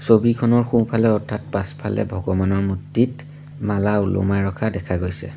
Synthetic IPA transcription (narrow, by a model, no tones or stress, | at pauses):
sobikʰɔnɔɹxũpʰalɛɔɹtʰːat̚paspʰa̰lɛ̰bʱɔɡɔbanɔɹmutːit | malaulɔ̰majɹɔkʰadɛkʰaɡojsɛ̰